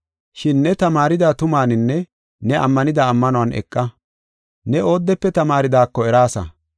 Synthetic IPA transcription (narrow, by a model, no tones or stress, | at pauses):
ʃɪnːɛt̪ɐmaːɾɪd̪aːt̪ʊmaːnɪnːɛ | nɛʔɐ̰mːɐnɪd̪aːmːɐnʊwɐnʔɛ̰kʼːɐ | nɛo̞ːd̪ːɛpːɛt̪ɐmaːɾɪd̪aːkːɔɛɾaːsɐ̰